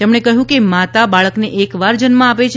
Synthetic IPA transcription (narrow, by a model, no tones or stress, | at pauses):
t̪emɳ̃ekəɦjũkemat̪abaɭəkneʔekʋaɾd͡ʒənmãapet͡ʃʰ